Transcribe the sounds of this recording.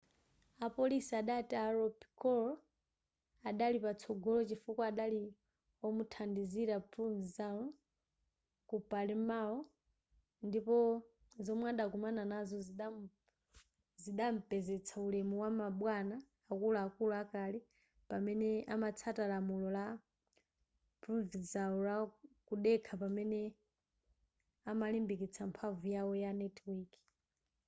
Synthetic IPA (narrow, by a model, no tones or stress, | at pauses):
apɔlisiaɗataɾɔpikɔl | aɗalipat͡sʰɔɡɔlɔt͡ʃifukwaaɗali | ɔmutʰandiziɾapʰunzizanɔ | kupalɛmaɔ | ndipɔ | zɔmwɛaɗaɡumananazɔ | ziɗam̩pɛzɛt͡sʰaulɛmuwamaɓwanaː | kulaakuluakali | pamɛnɛamat͡sʰatalamulɔla | pɾɔvizaɔlakuɗɛkʰapamɛnɛ | amalimbik̬it͡sʰampʰavujawɔjanɛtʰwikʰ